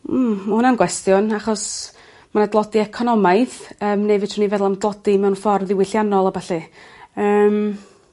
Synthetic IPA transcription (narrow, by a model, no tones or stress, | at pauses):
mahʊnanɡwɛstjʊnaχɔs | manadlˠɔdiɛkʰɔnɔmaɨθəːmnevɨtʰʊnivɛðlˠamdlˠɔdimɛwnfɔrðɪwɪɬjanɔlˠabaɬiəːm